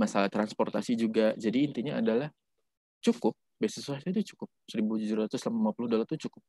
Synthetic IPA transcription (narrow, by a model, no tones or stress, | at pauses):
masalaht̪ɾansport̪asid͡ʒuɡad͡ʒadiːnt̪iɲaadalah | t͡ʃukʊp̚beasəsuat̪ad͡ʒat͡ʃu̥kʊp̚səɾibud͡ʒuɾɾat̪ʊslamalimapulʊhdolat̪ʊt͡ʃukʊp̚